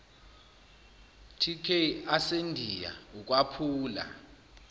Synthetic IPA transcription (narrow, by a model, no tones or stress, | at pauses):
tʰikʰeasendʱija̰uk̬ʼwapʰuːla̰